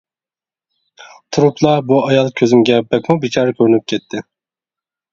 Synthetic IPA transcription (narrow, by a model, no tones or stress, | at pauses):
t̪ʰuɾupʰlˠɑbuɑjɑlˠkʲʰøzymɡʲɛbɛkʲmubit͡ʃʰɑːɾɑkʲʰøɾynyp̚kʲʰɛt̪ʰːɪ